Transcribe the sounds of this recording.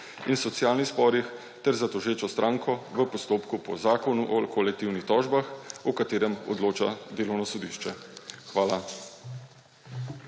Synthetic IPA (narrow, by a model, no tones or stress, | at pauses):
insɔt̪sjaːlnixspɔːɾix | t̪ɛɾzat̪ɔʒeːt͡ʃɔst̪ɾʔaːŋkɔʋəpɔst̪oːpkupɔ̰zaːkɔnuʔɔkʰɔlɛk̚t̪iwnixt̪ɔːʒbaxɔkat̪eːɾɛmɔ̰d̪loːt͡ʃa̰d̪eːlɔwnɔsɔd̪iːʃt͡ʃɛxʋaːla